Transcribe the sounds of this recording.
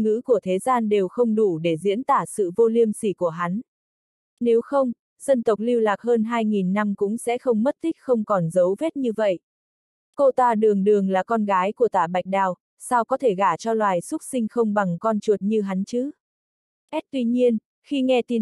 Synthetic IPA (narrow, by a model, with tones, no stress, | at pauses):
ŋɨ̰˧˥ku˧˩ət̪ʰe˨˦zaː˧nɗe˨˩wxə˧wŋ͡mɗu˧˩ɗe˧˩zḭ˧˥ənt̪aː˧˩sɨ̰˧˨vo˧li˧əmsi˧˩ku˧˩əɦa˨˦n | ne˨˦wxə˧wŋ͡m | zə˧nt̪ə˨˩wk͡p̚li˧wlaː˨˩k̚ɦəː˧nɦaː˧jŋi˨˩nːa˧mkʊ̰˧˥ŋ͡msɛ̰˧˥xə˧wŋ͡mmə˦˥t̚t̪ʰï˦˥k̚xə˧wŋ͡mkɔ˨˩nzə˨˦wve˦˥t̚ɲɨ˧və̰˧˨jʔ | ko˧t̪aː˧˩ɗɨ˨˩əŋɗɨ˨˩əŋlaː˨˩kɔ˧nɣaː˨˦jku˧˩ət̪aː˧˩ɓa˨˩jk̚ɗaː˨˩w | sa˧wkɔ˨˦t̪ʰe˧˩ɣaː˧˩t͡ɕɔ˧lwaː˨˩jsʊ˦˥t̚sï˧ŋ̟xə˧wŋ͡mɓa˨˩ŋkɔ˧nt͡ɕu˨˩ət̚ɲɨ˧ɦa˨˦nt͡ɕɨ˨˦ | ʔɛ˦˥t̚t̪wi˧ɲi˧ən | xi˧ŋɛ˧t̪i˨˧˩